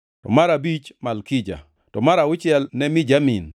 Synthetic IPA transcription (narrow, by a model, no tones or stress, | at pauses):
tɔ̰maɾabit͡ʃmalkid͡ʒa̰ | tɔmaɾaʊt͡ʃɪɛlnɛmɪd͡ʒamin